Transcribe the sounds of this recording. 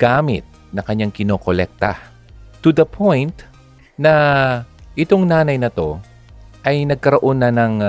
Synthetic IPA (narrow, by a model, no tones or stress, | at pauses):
ɡ̥aːmɪ̰t̪̚ | nɐkɐɲaŋkɪno̞ːkolɛk̚t̪ɐ̰ | t̪ud̪ɐpʰõjnt̪ | nɐ | ʔɪt̪o̞ŋnaːnɐjnɐt̪o̞ | ʔɐjnɐɡ̚kɐɾoʔo̞nːɐnɐŋ